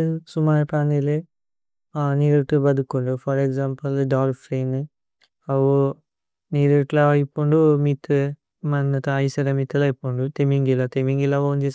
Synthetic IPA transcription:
sumaːɾpaːnile | niːɾʈubɐd̪ukːuɳɖufɐɾekzaːmpɐlɖaːɾfɾeːn | ɐʋu | niːɾeʈlaɐjpːoɳɖumit̪ʰːu | mɐnɐt̪ɐːjsɐɾɐmit̪ːulɐjpːoːɳɖut̪emiŋɡilːat̪emiŋɡilːaʋoːnt͡ʃeːs

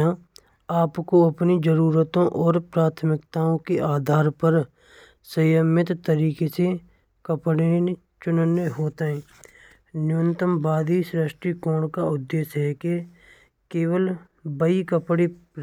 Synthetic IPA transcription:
ã | aːpkoəpnid͡ʒəɾuːɾət̪õʔɔːɾpɾaːt̪ʰmɪkt̪aːõkeʔaːd̪ʱaːɾpəɾ | səjəmɪt̪t̪əɾiːkese | kəpɽ | t͡ʃʊnənjəɦoːt̪aɛ̃ː | njʊːnt̪əmbʱaːd̪isɾəʃʈɾikɔːɽkaʊd̪ːeːʃɦɛke | keːwəl | bəikəpɽi

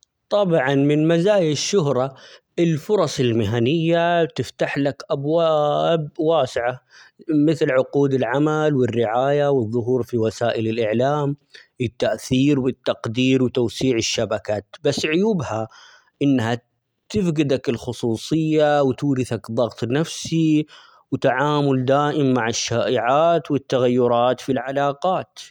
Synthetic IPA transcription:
t̪ˤɑbʕɑnmɪnmazaːjɪʃːʊɦɾˤɑʔɪlfʊɾˤɑsˤɪlmɪɦanɪjːat̪ɪft̪aħlakʔabwabwaːsɪʕamɪθlʕʊquːd̪ɪlʕamalwɪrːɪʕaːjawɨðˤːʊɦuːɾfiwasaːʔɪlɪlʔɪʕlaːmwɪt̪ːaʔθiːɾwɪt̪ːɑqd̪iːɾwt̪awsiːʕɪʃːabakaːt̪basːʕʊjuːbha | ʔɪnːha | t̪ɪfɡɪd̪akɪlxʊsˤuːsˤɨjːawt̪uːɾɪθakðˤɑɣt̪ˤnafsi | wɪt̪aʕaːmʊld̪aːʔɪmːaʕɪʃːaːʔɪʕaːt̪wɪt̪ːaɣajːʊɾˤɑːt̪filʕalɑːqɑːt̪

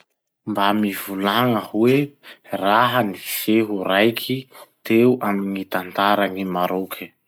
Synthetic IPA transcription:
mbamivulaŋəhweraɦənifeɦuɾajkʰit̪euʔamiŋit̪ant̪aɾaŋimaɾokʰə̥

